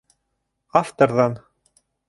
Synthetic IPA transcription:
ɑft̪ŏrðɑn

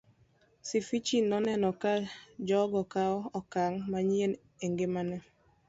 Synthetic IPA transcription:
sifit͡ʃinɔnɛnɔkald͡ʒɔɡɔkaɔkaŋmaɲien | eŋɡemanɛ

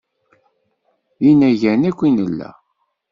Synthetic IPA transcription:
inæʝænækʷːinəlːæ̰

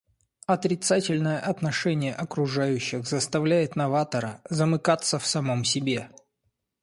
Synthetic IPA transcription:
ɐt̪ɾʲɪt̪satʲɪlʲnəjəʔɐt̪nɐʂɛnʲɪjəʔɐkɾʊʐajʉɕːɪxzəst̪ɐvlʲæjɪt̪nɐvat̪əɾəzəmɨkat̪sːəfsɐmo̞msʲɪbʲe̞

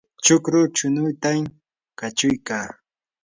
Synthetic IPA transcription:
t͡ʃʊkɾʊt͡ʃʊnʊjt̪am | kat͡ʃʊjkaː

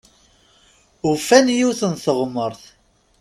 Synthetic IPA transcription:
ʊfænjiwθənθəʁməɾθ

